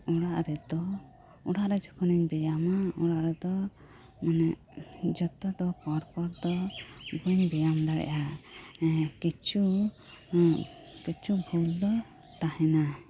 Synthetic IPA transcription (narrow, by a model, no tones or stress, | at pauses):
ɔɽaʔɾɛd̪ɔ | uɽaʔɾɛd͡ʒɔkɔnɛɲbɛjamaɔɽaʔɾɛd̪ɔ | manɛʔ | d͡ʒɔt̪ɔd̪ɔkɔɾkɔɾd̪ɔbɔɲbɛjamd̪aɽɛ̰ʔa | kit͡ʃu | kit͡ʃubʱuld̪ɔ | t̪ahɛna